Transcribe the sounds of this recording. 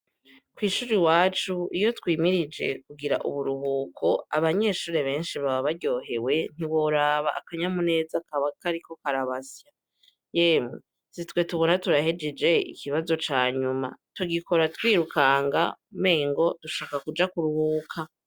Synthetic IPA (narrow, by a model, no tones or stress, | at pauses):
kwiːʃuːɾiwaːt͡ʃuijo̞twiːmiɾid͡ʒe̞̰kuɡiɾa̰ʔṵβuɾuɦuːkʰo̞aβaɲe̞ːʃuːɾe̞βe̞ːnʃiβaβaβaɾɟo̞ːɦe̞we̞n̥iβo̞ɾaβaʔːkaɲamune̞ːzakaɾiko̞kaɾaβasja | jeːmu | sitwe̞tuβo̞natuɾahed͡ʒed͡ʒe̞ḭkiβazo̞t͡ʃaːɲuma̰tuɡiko̞ɾatwiːɾukaːŋɡa̰me̞ːŋɡo̞d̥uʃaːkakud͡ʒakuɾuhuːkʰa